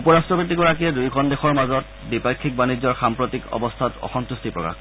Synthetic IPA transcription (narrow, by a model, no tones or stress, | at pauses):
upɔɹastɹɔbit̬ikɔɹakiɛdujɡʰʱɔndexɔɹmazɔt | dipakʰːik̚banid͡ʑɔɹxampɹɔtikɔ̰bɔstʰatɔ̰xɔntustʰipɹɔ̰ka̰x